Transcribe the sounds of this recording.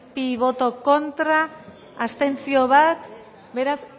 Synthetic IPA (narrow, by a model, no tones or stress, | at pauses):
piβo̞t̪o̞ko̞nt̪ɾaː | st̪e̞nt͡sio̞βat̪ | be̞ɾas